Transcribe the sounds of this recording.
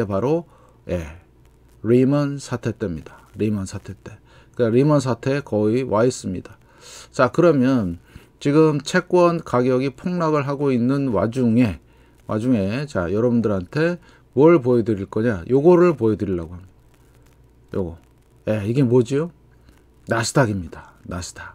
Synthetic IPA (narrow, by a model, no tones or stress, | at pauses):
epaɾo | je̞̰ | ɾimʌnsʰatʰe̞t͈e̞mɲidḁɾimʌnsʰatʰe̞t͈e̞ | kaɾimʌns̬ʰatʰe̞kʌiwʔaes͈ɯmɲida | t͡ɕakɯɾʌmjʌn | t͡ɕiɡɯmt͡ɕʰe̞k͈wʌnkaɡjʌɡipʰoŋnaɡɯɭɦaɡoinːɯnwa̰d͡ʑuŋe̞ | wa̰d͡ʑuŋe̞t͡ɕajʌɾʌbundɯɾɦantʰe̞ | mwʌɭp̬ojedɯɾiɭk͈ʌɲajʔoɡʌɾɯɭpoedɯɾiɭːa̰ɡoɦamɲi̥a | jo̰ɡʌ | je̞iɡe̞mod͡ʑijo | nasʰɯ̥dʰaɡimɲidanasʰdʰaɡ